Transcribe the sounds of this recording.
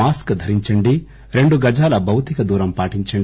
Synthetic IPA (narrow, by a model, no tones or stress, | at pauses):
aːskd̪ʱɐɾiɲt͡ʃɐɳɖi | ɾe̞ɳɖuɡɐd͡ʒaːlɐbʱɐwt̪ikɐd̪uːɾɐmpaːʈiɲt͡ʃɐɳɖ